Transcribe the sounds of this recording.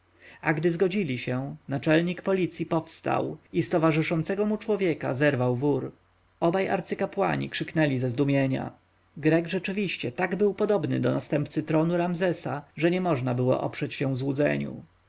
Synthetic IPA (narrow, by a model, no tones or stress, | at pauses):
aɡd̪ɘzɡɔd͡ʑilʲiɕɛ̃nat͡ʂɛlɲikpɔlʲit̪sʲjipɔfst̪a̰wist̪ɔvaʐɘʂɔnt̪sɛɡɔmut͡ʂwɔvʲjɛka̰zɛɾvawvuɾ | ɔbaja̰ɾt̪sɘkapwa̰ɲḭkʂɘknɛlʲizɛzd̪umʲjeɲa̰ | ɡɾɛɡʐɛt͡ʂɘvʲiɕt͡ɕɛt̪aɡbɘwpɔd̪ɔbnɘ̰d̪ɔnast̪ɛmp̚t̪sɘt̪ɾɔnuɾamzɛsaʐɛɲɛmɔʐnabɘwɔ̰ʔɔpʂɛt͡ɕɕɛ̃vzwud̪zɛ̰ɲṵ